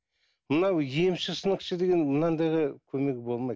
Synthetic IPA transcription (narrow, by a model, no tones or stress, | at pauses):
mənɑwjiemʃɪsənəqʃəd̪e̞ɡʲe̞nmənɑnd̪ɑjʁəkʲʰɵme̞ɡʲɪbo̞lˠmɑj̪